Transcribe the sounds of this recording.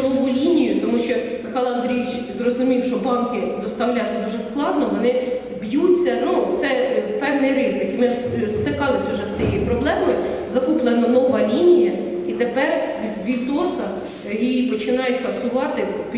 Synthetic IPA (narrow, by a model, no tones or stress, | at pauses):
nɔʋʊlʲinʲijʊt̪ɔmuʃt͡ʃɔmɪxɑlˠɐnd̪ɾʲijʲit͡ʃ | zrɔzʊmʲiwʃt͡ʃɔbɑnkɪd̪ɔst̪ɐwlʲɑt̪ɪd̪uʒɛsklˠɑd̪nɔʋɔnɪ | bjut͡sʲːɐnut̪sɛpɛwnɪjɾɪzɪkimɪʒst̪ɪkɑlˠɪsʲʊuʒɛsʲt͡sʲijɛjipɾɔblˠɛmɔj | zɐkuplˠenɐnɔʋɐlʲinʲijɐ | it̪epɛrʋʲizʲʋʲit̪ɔrk̪ɐ | jijipɔt͡ʃɪnɑjʊtʲhɐsʊʋɑt̪ɪp